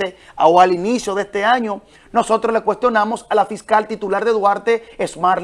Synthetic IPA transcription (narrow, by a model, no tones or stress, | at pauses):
eawalinisjo̞ðest̪e̞aɲo̞ | no̞so̞t̪ɾozle̞kwe̞st̪jo̞namo̞salafiskalt̪it̪ulaɾðeðwaɾt̪eesmaɾ